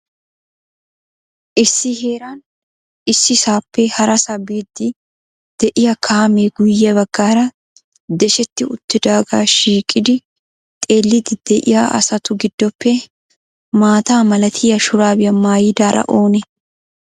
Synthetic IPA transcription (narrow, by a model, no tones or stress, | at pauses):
ʔɪsːɪhe̞ːɾan | ɪsːɪsaːpːɛhɐɾɐsɐbeːd̪ːɪ | d̪̥ɛʔɪjɐkʰaːmeɡʊjːɛbɐɡ̥ːaːɾɐ | d̪ɛʃɛt̪ːɪʊt̪ːɪd̪aːɡaːʃiːkʼːɪd̪ɪ | t̪ʼe̞ːlːɪd̪ɪd̪̥ɛʔɪ̰jaːʔɐ̰sɐt̪ʊɡɪd̪̥ːɔpʰːɛ | maːt̪aːmɐlɐt̪ʰɪjɐʃʊɾaːbɪjɐmaːjɪd̪aːɾʔɐ̰ʔo̞ːnɛ